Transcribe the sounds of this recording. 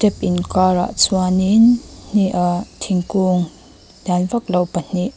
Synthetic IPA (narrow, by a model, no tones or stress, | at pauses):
tɛp̚ʔinkaɾa̰ʔt͡suaninn̥iʔatʰiŋkuŋ | danvak̚lawpan̥iʔ